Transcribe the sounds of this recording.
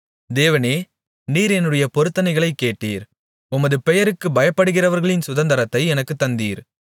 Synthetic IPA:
d̪eːʋɐneː | niːɾɛnːɯɽɐjɐpɔɾɯt̪ːɐnɐɪɣɐɭɐɪkːeːʈːḭːɾ | ʊmɐðɯpɛjɐɾɯkːɯbɐjɐpːɐɽɯɣɪrɐʋɐɾɣɐɭɪnsʊðɐnd̪ɐɾɐt̪ːɐɪɛnɐkːɯt̪ːɐnd̪iːɾ

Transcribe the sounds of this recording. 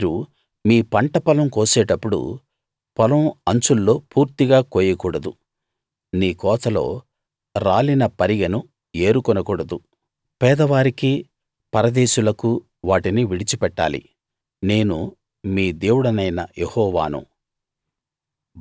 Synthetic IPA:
ɾu | miːpɐɳʈɐpɐlɐmkoːsɛːʈɐpːuɽṵ | pɐlɐmɐɲt͡ʃulːo̞ːpuːɾt̪iɡaːkoːjɐkuːɽɐd̪u | niːkɔːt̪ɐlo̞̰ː | ɾaːlinɐpɐɾiɡɐnu | e̞ːɾukɔnɐkuːɽɐd̪u | pɛːd̪ɐʋaːɾiki | pɐɾɐd̪eːʃulɐku | ʋaːʈiniʋiɽit͡ʃipɛʈːa̰ːlḭ | ne̞ːnu | miːd̪e̞ːwuɽɐnɐjnɐjehɔːʋa̰ːnṵ

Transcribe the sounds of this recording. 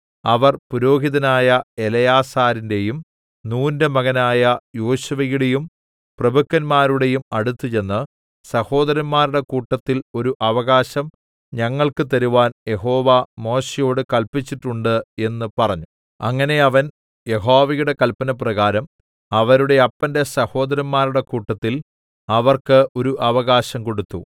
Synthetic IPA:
ɐʋɐrpuɾo̞ːɦiðɐnaːjɐe̞lɐjaːsaːɾinde̞jum | nuːndemɐɣɐnaːjɐjoːɕuʋɐjuɽe̞jum | prɐbʱukːɐnmaːɾuɽe̞jumɐɽut̪ːut͡ɕe̞nːɨ | sɐho̞ːd̪ɐɾɐnmaːɾuɽe̞kuːʈːɐt̪ːilo̞ɾuʔɐʋɐɣaːɕɐm | ɲɐŋːɐɭkɨt̪̬ɐɾuʋaːnje̞ɦo̞ːʋɐmo̞ːɕejo̞ːɽɨkɐlpit͡ɕːiʈːuɳɖɨe̞nːɨpɐrɐɲːu | ɐ̰ŋːɐne̞ɐʋɐn | je̞ɦo̞ːʋɐjuɽe̞kɐlpɐnɐprɐɣaːɾɐm | ɐʋɐɾuɽe̞ɐpːɐnde̞sɐho̞ːd̪ɐɾɐnmaːɾuɽe̞kuːʈːɐt̪ːil | ɐʋɐrkɨʔo̞ɾuʔɐʋɐɣaːɕɐmko̞ɽut̪ːu

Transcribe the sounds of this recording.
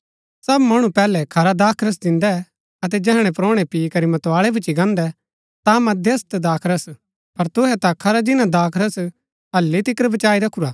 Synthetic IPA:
sɐbmɐɽ̃ũpɛːlɛkʰɐɾad̪aːkʰɾəs̬d̪ɪ̃nd̪ɛ | ɐt̪̬ɛd͡ʒɛɦɽ̃ɛ̃pɾoːɽ̃ɛpikɐɾimɐt̪ːaːɭɛbʊt͡ʃiɡãːnd̪ɛ | t̪amɐd̪ʱest̪d̪aːkʰɾəs | pɐɾt̪ʊɦɛt̪akʰɐɾad͡ʒɪnãd̪aːkʰɾəs | ɐlːit̪ɪkəɾbɐt͡ʃaːiɾɐkʰːuɾaː

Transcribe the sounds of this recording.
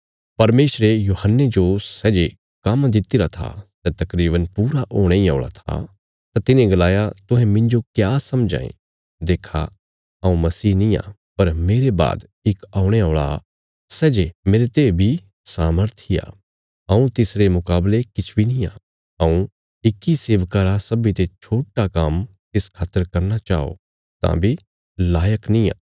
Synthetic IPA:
pɐɾmeːsɾejuːhənːed͡ʒosɛːd͡ʒe | kamad̪ɪt̪iɾat̪ʰa̰sɛːt̪ɐkɾiːbənpuːɾaʔoːɽ̃eia̰ːɭa̰t̪ʰa̰ | t̪at̪ɪnẽɡɐlaːjat̪ʊ̃ɦɛ̃mɪ̃nd͡ʒokjaːsɐmd͡ʒã̰ːḛ̃ | d̪eːkʰa̰ | ɐːũmɐsiːnĩa̰ | pɐɾmeːɾeba̰ːd̪ | ɪkaːʊɽ̃eoːɭa̰ | sɛːd͡ʒemeːɾet̪eːbʱi | saːməɾt̪ʰija̰ː | ɐ̃ːũt̪ɪsɾemʊkaːblekɪt͡ʃʰbʱinĩːaː | aũ | ɪkːiseːʋkaːɾasɐbit̪et͡ʃʰoːʈakam | tɪskʰaːt̪əɾkɐɾnat͡ʃa̰ːo̰ | t̪ã̰bʱi | laːjəknĩa̰ː

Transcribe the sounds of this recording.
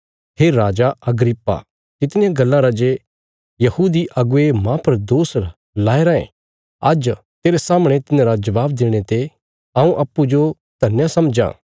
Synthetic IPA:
ɦeːɾaːd͡ʒaʔɐɡɾɪpːa̰ | tɪt̪nɪ̃jãɡɐlːãɾad͡ʒe | jɐhuːd̪iʔɐɡʊemãpɐɾd̪oːs | laːeɾɐḛ̃ | ɐd͡ʒ | t̪eːɾesaːməɽ̃et̪ɪnãɾad͡ʒɐʋaːbd̪eːɽ̃et̪e | ɐ̃ũʔɐpːud͡ʒo | t̪ɐnjãsɐmd͡ʒã̰ː

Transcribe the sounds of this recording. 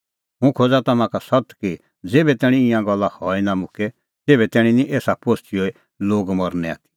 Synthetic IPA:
ɦʊ̃kʰoːd͡zat̪ɐmãkasɐt̪ki | d͡zeːbɛt̪ɛːɽ̃ĩĩjãɡɔlːahɔːinamʊke | t̪eːbɛt̪ɛːɽ̃ĩniʔeːsapoːstioːi | loːɡmɔɾnɛa̰ːt̪i̥

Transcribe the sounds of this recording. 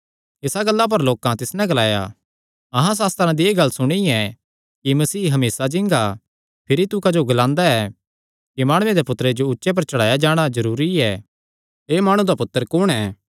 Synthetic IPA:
ɪsaɡɐlːap̬ɐɾloːkãt̪ɪsnɛ̃ɡɐlaːja̰ | ɐɦãs̬aːst̪əɾãd̪ieːɡɐlːsʊɽ̃iɛ | kimɐsiːɦɐmeːsad͡ʒɪ̃ŋɡa | pʰɪɾit̪ʊkad͡ʒoɡɐlãːnd̪aɛ | kimaːɽʊẽd̪epʊt̪əɾed͡ʒoʊtːʃep̬ɐɾt͡ʃɐɽ̤aːjad͡ʒaːɽ̃azɐɾuːɾiɛː | eːmaːɽ̃ũd̪apʊt̪ːəɾkʊɽ̃ɛː

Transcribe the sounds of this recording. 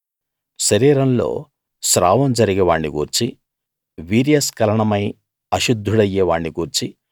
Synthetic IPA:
ʃɐɾiːɾɐnlo̞̰ː | ʃɾa̰ːʋɐmd͡ʒɐɾiɡɛʋaːɳːiɡuːɾt͡ʃi | ʋiːɾijɐskɐlɐɳɐmɐj | ɐʃud̪ʱːuɽɐjːɛːʋaːɳːiɡuːɾt͡ʃi

